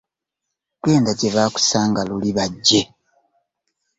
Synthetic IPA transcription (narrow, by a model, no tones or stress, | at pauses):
twe̞ːndaceβaːku̥saːŋɡaluliβaɟːe̞